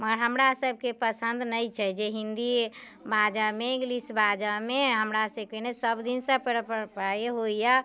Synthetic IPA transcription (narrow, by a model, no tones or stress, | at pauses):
məɡəɾɦəmɾasəb̚ʱkepəsə̃nd̪nəjt͡ʃʰɛd͡ʒeɦind̪i | bad͡ʒəmeɡlisbad͡ʒəmeɦəmɾasəb̚kenesəbd̪insə̃pəɾpəpaeɦoja